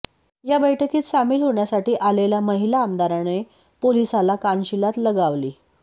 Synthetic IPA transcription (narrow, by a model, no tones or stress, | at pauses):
jabəjʈəkiːt̪samiːlɦoɳjasaʈiːʔaleljaməɦilaːmd̪aɾane | polisalakanɕilat̪ləɡaʋliː